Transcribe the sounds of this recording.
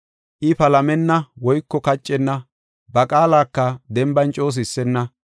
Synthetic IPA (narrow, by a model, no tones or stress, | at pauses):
ʔɪpɐlɐmɛnːɐwɔjkːɔkɐt͡ʃʼːɛnːɐ | bɐkʼaːlaːkːɐd̪ɛmbɐnt͡ʃʼo̞ːs̬ɪsːɛnːɐ